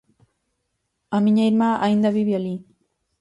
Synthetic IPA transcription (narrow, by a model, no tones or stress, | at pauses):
amɪɲajɾmaʔajnd̪aβɪβjaliː